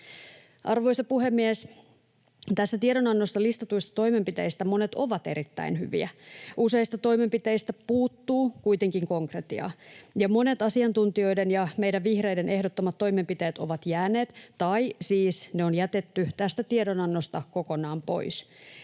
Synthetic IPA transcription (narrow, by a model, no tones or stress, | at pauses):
ʔɑrʋo̞isɑpuɦemːies | t̪æst̪æt̪ieɾonɑnːost̪ɑlist̪ɑt̪uist̪ɑ̥t̪o̞ime̞mpit̪eist̪æmo̞net̪o̞ʋɑt̪eɾit̪ːæ̰inhy̰ʋḭæ̰use̞ist̪ɑt̪o̞jme̞mpit̪eist̪æpuːt̪ːuːkuit̪e̞ŋkiŋko̞ŋkret̪iɑ̰jɑmo̞ne̞t̪ɑsiɑnt̪unt̪io̞idenjɑmejdæʋʋihrejdenʔe̞hdot̪ːomɑt̪ːo̞jme̞mpit̪e̞ːt̪o̞ʋɑt̪jæːneːt̪t̪ɑisiːsneonjæt̪et̪ːyt̪æst̪æt̪iedonɑnːost̪ɑko̞ko̞nɑːmpo̞̰is